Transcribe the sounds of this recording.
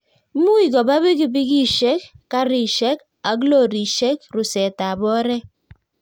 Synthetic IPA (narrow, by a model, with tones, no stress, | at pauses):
mu˦i˨ɡɔ˨ba˦bi˦ki˦bi˦ɡi˦ʃɛ˦k̚ːa˦ɾi˨ʃe˦k | a˨ɡ̬lo˦˨ɾi˨ʃe˦k̚ɾu˨sɛ˨ta˨bɔ˦ɾɛ˦